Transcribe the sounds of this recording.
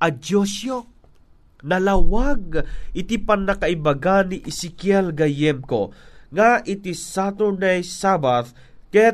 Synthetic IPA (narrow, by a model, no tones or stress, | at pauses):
ʔɐd͡ʒoʃjo | nɐlawaɡ̚ɪt̪ipanːɐkaibaɡanːiʔɪsɪkjɛlɡajɛmkoŋaʔɪt̪isat̪onajsabat̪ | kɛ